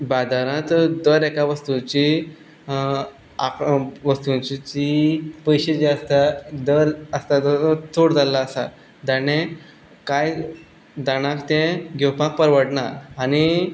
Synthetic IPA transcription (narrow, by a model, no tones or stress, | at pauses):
bad̪aɾãt̪d̪əɾɛkaʋəst̪ut͡ɕi | a̰kʋəst̪ũt͡ɕit͡ɕipəjɕed͡ʑast̪ad̪əɾəst̪ad̪ət̪ʰoɽd͡zalaəsa | d̪anẽ | kaj | d̪aɽ̃ãkt̪ɛ̃ɡʱɛwpãk̚pəɾʋəɽɳaɾañi